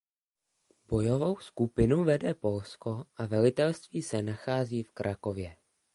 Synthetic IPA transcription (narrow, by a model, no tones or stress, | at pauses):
b̥o̞jo̞vo̞wskupɪnuvɛdɛpo̞lsko̞ʔavɛlɪt̪ɛlst̪viːsɛnaxaːziːfkɾʔako̞vjɛ